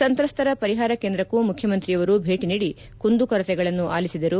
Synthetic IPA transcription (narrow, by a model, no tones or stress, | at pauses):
sɐnt̪ɾɐst̪ʰɐɾɐpɐɾiɦaːɾɐkend̪ɾɐkːumukʰjɐmɐnt̪ɾijɐʋɐɾubʱe̞ːʈiniːɽi | kund̪ukɐɾɐt̪ɛɡɐɭɐnːuʔaːlisid̪ɐɾu